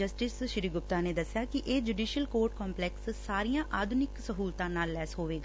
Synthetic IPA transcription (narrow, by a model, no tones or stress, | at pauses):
d͡ʒəsʈɪsʃɪɾiːɡʊp̚t̪aːneːd̪əsːɪjaːkɪʔeːd͡ʒuːɖiːʃəlkoːɾʈ̚kɔ̃ːmplɛːkssaːɾijãːʔaːd̪ʱʊnɪksəɦuːlt̪ãːnaːlːɛːsɦoːʋeːɡaː